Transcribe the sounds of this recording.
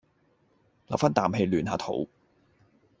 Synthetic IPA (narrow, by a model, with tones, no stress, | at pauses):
lɐ̰˨˩wfɐ˥nt̪aː˨mhe˧jlyː˨nhaː˨˧t̪ʰo̰˨˥w